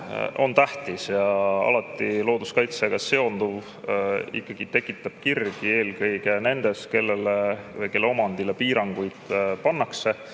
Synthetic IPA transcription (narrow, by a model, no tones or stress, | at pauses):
o̞̰nt̪æht̪isjɑɑ̰lɑt̪ːˑilo̞ːd̪̥uskɑjt̪seɡ̥ɑse̞o̞nd̪uv | ḭkːɑɡ̥it̪e̞kːˑit̪ːˑɑb̥̚kirɡ̥ie̞ːlkɤjɡ̥ene̞nd̪̥e̞ske̞lːelevɤjke̞lːeo̞mɑnd̪̥ilepiːɾɑŋɡ̥ujd̪̥pɑnːɑkse̞